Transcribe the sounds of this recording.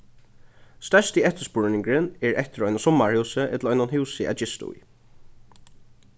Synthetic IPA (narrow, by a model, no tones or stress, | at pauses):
st̪ɛʂt̪iɛht̪əspʊɹnɪŋkɹɪnɛɹɛht̪ɪɾɔjnasɔmːaɹhʉwsəʔɛt̪l̩ɔʏnanhʉwsɪæ̰d͡ʒɪst̪ʊ̰j